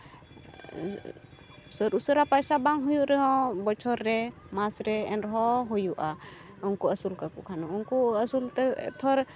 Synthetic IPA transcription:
səɾusəɾapajsabaŋɦɔjuʔɾɛɦɔ̃bɔt͡ʃʰɔɾːɛ | masɾɛɛnɾɛɦɔɦɔjuʔa | uŋkuasulkakukʰanɔuŋkuasult̪ɛ̰t̪ʰɔɾ

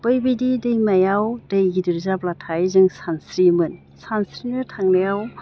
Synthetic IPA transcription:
bɯjbijdidɯjmajawdɯjɡidɯɾzaplatʰajzɯŋsansɾimɯn | sansɾinɯtʰaŋnajaw

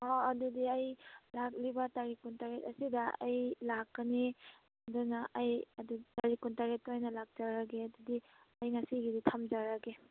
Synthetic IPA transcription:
ɔɐdudiɐjlak̚libɐtaɾikːuntaɾet̚ɐ̰sidɐa̰jlakːɐni | ɐdunɐʔajɐdutaɾikːuntaɾet̚ːojnɐlak̚d͡ʒaɾaɡeɐdudi | ɐjŋasiɡiditʰɐmd͡ʒaɾɐɡe

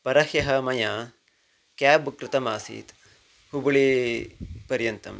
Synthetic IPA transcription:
pɐɾɐhjɐɦɐmɐjaː | kjaːbkɾɪt̪ɐmaːsḭːt̪ | hubuɭeː | pɐɾjɐnt̪ɐ̰m

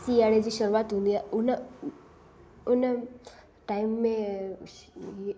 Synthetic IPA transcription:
siaɽed͡ʑiːʃəɾuaːt̪ɦũːnd̪iɛʊn | ʊnə | ʈaimːẽ | i

